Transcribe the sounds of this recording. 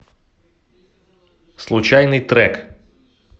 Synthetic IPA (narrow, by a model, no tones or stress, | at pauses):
slˠut͡ʃajnɨjt̪ɾɛk